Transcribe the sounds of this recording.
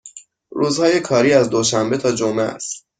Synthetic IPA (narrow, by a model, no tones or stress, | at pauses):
ɾuːzhɒːje̞kʰɒːɾiːæzd̪oʃæmbe̞t̪ʰɒːd͡ʒomeæ̰st̪